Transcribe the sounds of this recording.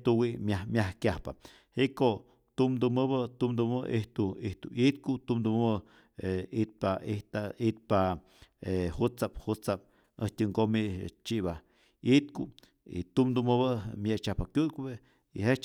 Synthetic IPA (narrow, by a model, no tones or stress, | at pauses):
t̪uwiʔmʲamjahkʲjahpa̰ | hiʔko | t̪umd̪umɨβət̪umd̪uəʔiht̪uiht̪uit̪̚kut̪umd̪um | eit̪̚pait̪ait̪̚pa | ehut͡saphut͡sap̚ | əht̪ʲɨŋɡomḭt͡ʃiba | it̪ku | ḭt̪umd̪umɨβɨmjet͡ʃahpakjʲut̪kβe | ihe